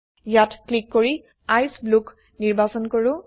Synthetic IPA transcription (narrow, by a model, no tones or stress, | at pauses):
jatklikːoɹi | ajsbluk | niɹbasɔnkoɹʊ̃